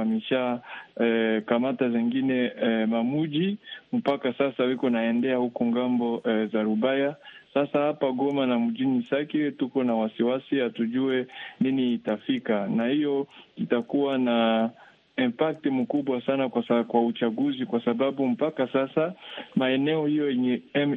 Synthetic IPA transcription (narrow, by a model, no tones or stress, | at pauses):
amiʃaɛkamataziŋɡinɛmamuʄim̩pakasasawikɔnaɛndɛahukɔŋɡambɔɛzaɾubajasasahapaɡɔmanamuʄinisakitukɔnawasiwasihatuʄuɛniniːtafikanahijɔitakuwana | impak̚timukuɓwasanaakwaut͡ʃaɡuzikwasababum̩pakasasamaɛnɛɔhijɔjɛɲɛm